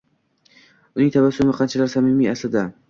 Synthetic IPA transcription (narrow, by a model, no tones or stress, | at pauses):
ʊnɪŋt̪ʰavasːʊmɪqʰɑnt͡ʃʰalaɾsamimiaslɪd̪a